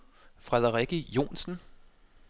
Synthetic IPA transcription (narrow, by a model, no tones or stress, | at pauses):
fʁɛðˠɐʁiɡ̥ijo̝̰ːnsn̩